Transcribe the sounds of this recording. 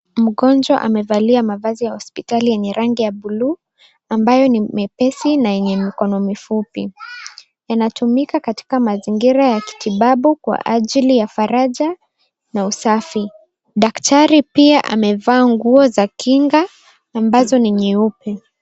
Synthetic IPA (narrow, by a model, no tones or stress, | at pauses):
m̩ɠɔnd͡ʒwa̰ʔa̰mɛvaliamavazijahɔspitalijɛɲɛɾaŋɡijaɓuluː | ambajɔnimɛpɛsinajɛɲɛmikɔnɔmifupi | janatʰumikakati̥kamaziŋɡiɾajaki̥tʰiɓaɓukwa̰ʔaʄilijafaɾaʄa | nausafi | ɗaktaɾipiaʔa̰mɛvaːŋɡuɔzakiŋɡaː | mbazɔniɲiupɛ